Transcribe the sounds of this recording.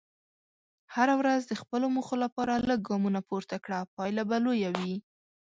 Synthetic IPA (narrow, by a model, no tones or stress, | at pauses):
haɾawɾazd̪əxpəlomuxolapɑɾaləɡ̚ɡɑmunapoɾt̪akɽapɑjlabalojawi